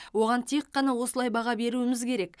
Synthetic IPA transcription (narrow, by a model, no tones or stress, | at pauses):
wo̞ʁɑnt̪ʰe̞qːɑnɑwo̞səlˠɑjbɑʁɑbe̞ɾuɪmɪzkʲʰe̞ɾe̞k